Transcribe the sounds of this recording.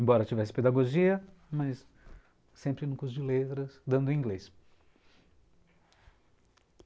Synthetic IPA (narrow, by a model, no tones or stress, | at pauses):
ẽmbɔɾɐt͡ʃivɛsɪ̥ped̪aɡoʒiɐmɐsː | ẽmpɾɪnukusʊd͡ʒɪlet̪ɾɐsd̪ɐ̃nd̪ʊĩɡles